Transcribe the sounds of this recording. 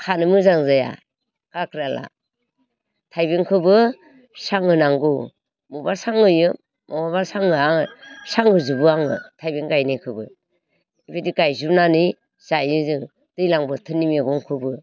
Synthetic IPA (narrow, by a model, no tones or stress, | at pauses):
kʰanɯmɯzaŋzaja̰ | kakʰɾala̰ | tʰajbiŋkʰɯbɯ | saŋɯnaŋɡu | mubasaŋɯjɯ | mɔmaβasaŋɯaŋsaŋɡɯzɯbɯaŋɯ̰tʰajbiŋɡajnikʰɯbɯ̰ | ibʰidiɡajzubnani | z̥ajɯzɯŋ | d̥ɯjlaŋbɯtʰɯnimeɡɔŋkʰɯbɯ